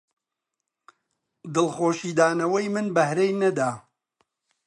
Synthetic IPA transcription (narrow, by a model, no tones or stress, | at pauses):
d̪ɨlˠχoːʃiːd̪aːnɐwɐjmɨnbɐhɾejnɐd̪aː